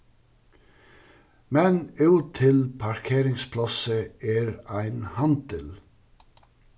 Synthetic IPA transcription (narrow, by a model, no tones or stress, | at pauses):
mɛnʉːt̪ʰɪlpʰɑɹkʰeːɾɪŋspʰlɑsəeːɹæɪnhɑnd̪əl